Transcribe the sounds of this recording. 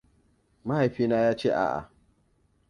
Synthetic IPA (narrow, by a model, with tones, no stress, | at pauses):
ma˦ha˨jɸiː˦naː˦jaː˦t͡ʃeː˦˨ʔa̰ː˨ʔa̰˨